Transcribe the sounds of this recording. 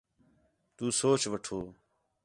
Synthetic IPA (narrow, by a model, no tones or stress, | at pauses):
t̪uːsoːt͡ʃʋəʈʰoː